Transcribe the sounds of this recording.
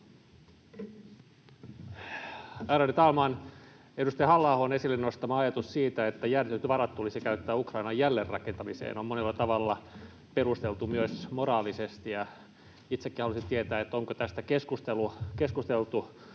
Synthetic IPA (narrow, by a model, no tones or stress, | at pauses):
æːɾɑnyt̪ɑlmɑːn | edust̪ɑjɑhɑlːɑːhoːnesilːennost̪ɑmɑɑjɑt̪ussiːt̪æet̪ːæjæryt̪ʋɑɾɑt̪t̪ulisikæyt̪ːæːukrɑinɑjjælːerːɑ̰kent̪ɑmisḛːnommonelːɑt̪ɑʋɑlːɑ | perust̪elt̪umyøsmorɑːlisest̪ijɑ | it̪sekːihɑlusint̪iet̪æːet̪ːoŋkot̪æst̪ækeskust̪elukeskust̪elt̪u